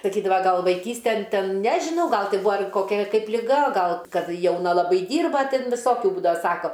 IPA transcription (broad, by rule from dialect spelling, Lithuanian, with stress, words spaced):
sɐˈkʲiːdɐʋɐ ˈɡɐlˠ ʋɐɪˈkʲiːsʲtʲɛn ˈtʲɛn ˈnʲæːʒʲɪnɐʊ ˈɡɐlˠ ˈtʲɪ ˈbʊɐ ɐr koːˈkʲɛ ˈkɐɪp lʲɪˈɡɐ ˈɡɐlˠ ˈkɐt jɛʊˈnɐ lˠɐˈbɐɪ ˈdʲiːrbɐ ˈtʲɪn ʋʲɪˈsoːkʲʊ ˈbuːdɐʋɐ ˈsɑːkoː